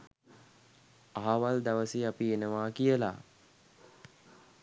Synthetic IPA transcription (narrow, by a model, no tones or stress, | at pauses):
aɦaʋald̪aʋəsiapienəʋaːkijəla̰